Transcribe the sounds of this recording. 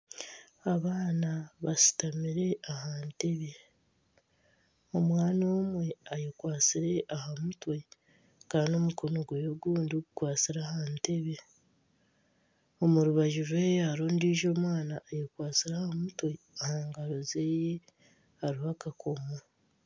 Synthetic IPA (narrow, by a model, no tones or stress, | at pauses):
aβaːnaβasi̥tamiɾe̞ahaːnte̞βe̞ | omwaːnoːmwe̞ajokwaːt͡siɾe̞ʔahamutwe̞ | kaːndo̞muko̞noɡwejoɡuːndioɡukwaːt͡siɾahaːnte̞βe̞ | o̞muɾuβaʒuvweːjaɾoːndiːʒo̞ːmwaːnaːjekwaːt͡siɾahamutwe̞ | ahaːŋɡaɾo̞ze̞je | haɾihakakʰomo